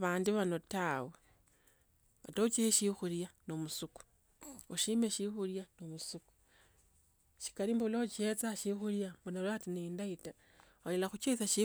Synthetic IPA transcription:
βaːndiβano̞tawe | βa̰tot͡ʃeʃixuljanomusuku̥ | oʃimeʃixuljanomusuku̥ | ʃi̥kalimboloot͡ʃiet͡saʃixuljamonalwatinendaita | olelaxut͡ʃesaʃi

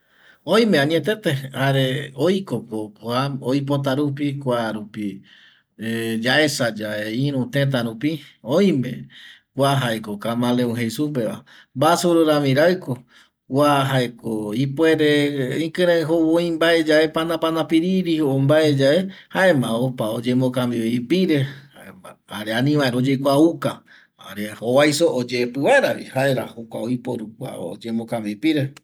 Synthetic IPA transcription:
õj̃mẽãɲĩẽt̪̬et̪ehaɾeojkokoaojp̬ot̪̬aɾup̬ikʷaɾupi | ed͡ʒae̞sad͡ʒaeĩɾũt̪ẽt̪̬aɾupiõj̃mḛ̃ | kʷwʷaɦaekokamãleũɦesup̬e̞ʋa | mbasuɾoɾamĩɾaɨko | waɦaekoipwe̞ɾeĩkɨ̃ɾãɦoβõjmbaed͡ʒae̞panãpanãpiɾiɾiombaed͡ʒaehaemãopaod͡ʒemõkãmbiβipiɾehaeaaɾeanĩβãeɾod͡ʒekʷauka | a̰ɾeowajsoʔod͡ʒepɨβaeɾaβḭhaeɾahokʷaojpoɾukʷa̰od͡ʒemõkambipiɾe

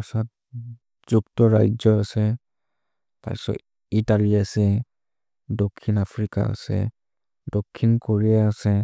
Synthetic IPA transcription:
asat̚ | z̥uktɔɹa̰jd͡ʒɔasɛ | pa̰jsɔ̰ | italiasɛ | dokʰːinapʰɹika̰a̰sɛ̰ | dokʰːinkoɹijaːsɛ

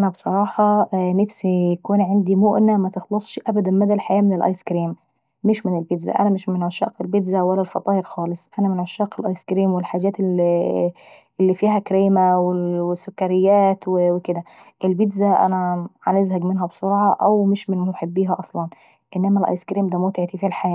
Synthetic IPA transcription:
ʔnæbsˤɑɾˤɑːħɑnɪfsijakuːnʕɪnd̪imʊʔnæmæt̪ɪxlɑsˤʃʔæbæd̪ænmæd̪ælħajæːmɪnɪlʔɑ̰jskɾiːmː | ɪʃmɪnɪlbɪd̪zæ̰ʔæ̰næmɪʃmɪnʕaʃæːʔqɪlbɪd̪zæwælːælfɑt̪ˤɑːʔɪɾxɑːlɨsˤʔænæmɪnʕaʃɑːʔqɪlʔɑjskɾiːmwɪlħaːd͡ʒæːt̪ | ʔlːifiːɦækɾeːmæwɪwɪsʊkːæɾɪjːæːt̪wɪwɪkɪd̪æʔɪlbɪd̪zæʔæ̰næʕanʔɪzɦæɡmɪnɦæbsoɾʕɑʔæwmɪʃmɪnmʊħebːiːɦæʔɑsˤlɑn | ʔɪnːæmælʔɑ̰jskɾiːmd̪æmot̪ɪʕt̪ifiːælħajæː

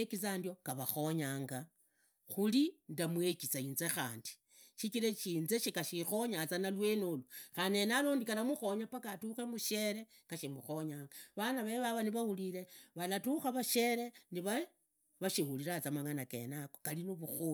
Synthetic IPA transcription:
ekit͡sandjo̞kaβaxo̞ɲaːŋɡa | xulindamwe̞kit͡sainzexa̰ːndi̥ | ʃit͡ʃiɾet͡ʃiːnzeʃikaʃixo̞ɲat͡sanalwe̞noluxane̞nalondikalamuxo̞ɲapakatuxemuʃe̞ɾe̞ | kaʃimuxo̞ɲaːŋɡaβanaβeβaβaniβahuliɾe̞βalatuxaβaʃe̞ɾe̞niβa | βaʃihuliɾat͡samaŋanake̞̰nakokalinoβuxu

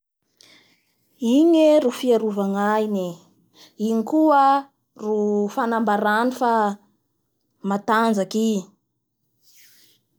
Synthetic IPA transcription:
iɲeɾufiaɾuvaŋajni | iŋikuə | rufanambaɾanifa | mat̪and͡zaki

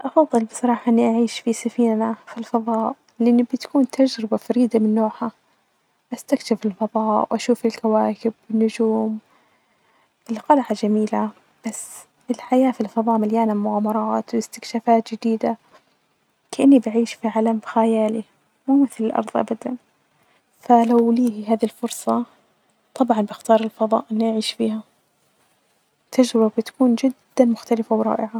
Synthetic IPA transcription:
ʔɑfɑðˤːɨlbɨsˤɑɾˤɑːħɑʔɪnːiʔaʕiːʃfisafiːnːafilfɑðˤɑːʔ | lʔɪnːibɪt̪ḁkuːnt̪ʰad͡ʒɾɪbafaɾiːd̪amɪnːoːħa | ʔast̪akʃɪfɪlfɑðˤɑːʔwʔaʃuːfɪlkawaːkɪbwɪnːʊd͡ʒuːm | ʔɪlqɑlʕad͡ʒamiːla | b̥asː | ɪlħajaːfilfɑðˤɑːʔmaljaːnalmʊʕaːmɑɾˤɑːt̪wɪst̪ɪ̥kʃaːfaːt̪d͡ʒɪd̪iːd̪a | kaʔɪnːibaʕiːʃfiʕalambxajaːli | muːmɪθlɪlʔɑ̰ɾˤðˤʔa̰bad̪an | falawliːhɦaːðilfʊɾˤsˤɑ | t̪ˤɑbʕɑnbɪxt̪ɑːɾˤɪlfɑðˤɑ̰ːʔɪnːiʔaʕiːʃfiːha | t̪ːad͡ʒɾɪbabɪt̪ḁkuːnd͡ʒɪd̪ːanmʊxt̪alɪfawɾˤɑ̰ːʔɪʕa

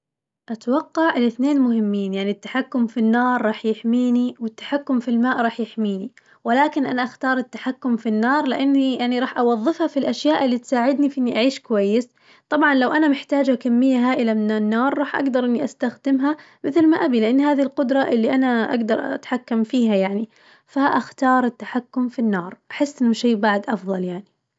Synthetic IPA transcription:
ʔat̪wɑqːɑʕlɪθneːnmʊhɪmːiːnjaʕnit̪ːḁħakːʊmfinːɑːɾˤːɑːħjɪħmiːniwɪt̪ːḁħakːʊmfilmaːʔɾˤɑːħjɪħmiːni | wɪlaːkɪnʔanaʔaxt̪ɑːɾˤɪt̪ːaħakːʊmfinːɑːɾˤlɪʔanːijaʕniɾˤɑːħʔɑwɑðˤːɨfhafilʔaʃjaːʔɪlːiːt̪saːʕɪd̪nifiʔɪnːiʔaʕiːʃkwajːɪs | t̪ˤɑbʕɑnlawʔanamɪħt̪aːd͡ʒakamːɪjːaɦaːʔɪlamɪnanːɑːɾˤːɑːħʔa̰ɡd̪ɑɾˤʔɪnːiʔast̪axd̪ɪmɦa | mɪθlmaʔabilɪʔanːhaːðilqʊd̪ɾˤɑʔɪlːiʔanaʔa̰ɡd̪ɑɾˤʔa̰a̰t̪ħakːamfiːɦajaʕni | faʔaxt̪ɑːɾˤɪt̪ːaħakːʊmfinːɑːɾˤʔaħɪsːʔɪnːʊʃeːbaʕd̪ʔɑfðˤɑljaʕni

